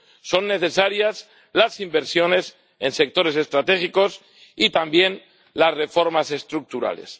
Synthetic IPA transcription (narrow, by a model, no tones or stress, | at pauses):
so̞nːe̞θe̞saɾjas | lasimbeɾsjo̞ne̞s | e̞nse̞k̚t̪o̞ɾe̞s̬e̞st̪ɾat̪e̞xiko̞s | it̪ambje̞n | lasre̞fo̞ɾmase̞st̪ɾuk̚t̪uɾa̰le̞̰s